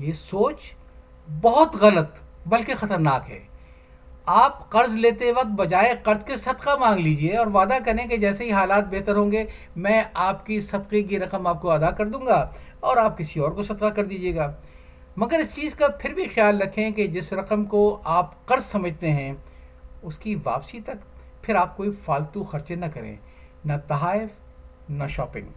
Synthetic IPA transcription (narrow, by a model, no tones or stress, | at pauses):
jeːsoːt͡ʃ | bɔɦʊt̪ɣɐlət̪bɐlkexɐt̪əɾnaːkɦɛ̰ː | aːpqɐɾzleːt̪eʋɐq̚t̪̚bɐd͡ʒaːeqɐɾzkesɐd̪qamãːŋɡliːd͡ʒieɔːɾʋaːd̪akɐɾẽk̬ed͡ʒɛːseɦiɦaːlaːt̪̚bɛɦt̪əɾɦõːŋɡe | mɛ̃ːaːpkisɐd̪qek̬iɾɐqəmaːp̚koɐd̪akɐɾd̪ũːŋɡaː | ɔːɾaːp̚kɪsiɔːɾkosɐd̪qakɐɾd̪iːd͡ʒieːɡaː | mɐɡəɾɪst͡ʃiːzkapʰɪɾbʱixjaːlːɾɐkʰẽked͡ʒɪsɾɐqəmkoaːpqɐɾzsɐməd͡ʒʱt̪eɦɛ̃ | ʊskiʋa̰ːpsit̪ɐk | pʰɪɾaːp̚koːifaːlt̪uxɐɾt͡ʃenɐkɐɾḛ̃ː | nɐt̪ɐɦaːɪf | nɐʃɔːpɪ̰̃ŋɡ